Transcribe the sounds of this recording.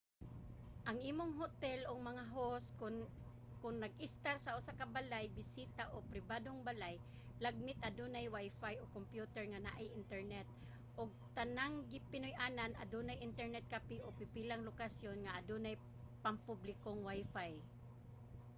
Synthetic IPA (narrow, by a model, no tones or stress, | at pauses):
ʔɐŋʔiːmoŋɦot̪ɛlʔoŋmɐŋaɦoskʊn | kʊŋnɐɡ̚ʔɪst̪aɾsɐʔʊsakabalajbɪsiːt̪aʔopɾɪbaːd̪oŋbalaj | laɡ̚mɪt̪̚ʔɐd̪unajwajfajokompjut̪ɛɹŋana̰ʔajʔɪnt̪ɛɹnɛt̪̚ | ʔoɡ̚t̪anaŋɡɪpɪnʊjʔaːnana̰d̪unajʔɪnt̪ɛɹnɛt̪̚kapiʔopɪpiːlaŋlokasjonŋaʔad̪unaj | pɐŋpublɪkoŋwajfaj